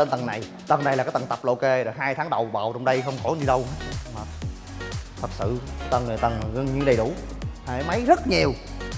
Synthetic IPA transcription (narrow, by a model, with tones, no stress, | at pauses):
ə˧nt̪ə˨˩na˨˩j | t̪ə˨˩nːa˨˩jlaː˨kaː˨˦jt̪ə˨˩nt̪ə˨˩p̚lʔke˧ɗə˨˩ɦaː˧jt̪ʰaː˨˦ŋɗə˨˩wɓa̰ː˨˩wt͡ɕə˧wŋ͡mɗə˧jxə˧wŋ͡mkɔ˧˩˦ɲi˧˩ɗə˧wmaː˨˩ | t̪ʰə˨˩t̚sɨ̰˧˨t̪ə˨˩nɨ˨˩jt̪ə˨˩nː˨˩ɣə˧ŋɲɨ̰˧ŋɗə˨˩jɗu˧˩˦ | ha̰˧˩˥mə˨˦jzə˦˥t̚ɲi˨˩əw